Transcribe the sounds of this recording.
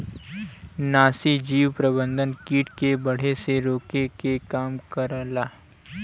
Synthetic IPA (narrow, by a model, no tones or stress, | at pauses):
naːsid͡ʒiːwpɾɐbə̃nd̪ʱənkiːʈkebɐɽ̤eseɾoːkekekaːmkəɾlaː